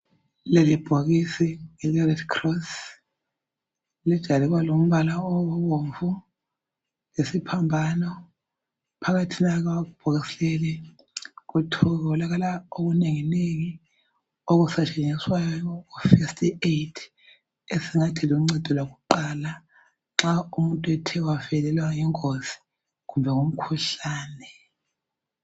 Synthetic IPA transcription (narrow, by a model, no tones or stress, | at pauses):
lelib̥ʱoɣisiŋilɛrɛdkʰrɔs | lɛd̥ʒ̥ʱaliɣwalom̩βalaɔɔβoɱvu | lesipʰambʱanɔ | pʰaɣatʰinaɣawaɣub̥ʱoɣisɛlɛlɛ | kutʰɔɣaɔlaɣalaoɣuneŋineŋi | oɣusat͡ʃʼeɲiswajjɔjɔɔfestʰʼietʰ | esiŋatʰiliŋ͡ǀɛd̥ʱɔlaɣuǃala | ŋ͡ǁaumuntʼwɛtʰɛwafɛlɛlwajiŋozi̥ | k̬umbʱɛŋom̩kʰuɬaːnɛ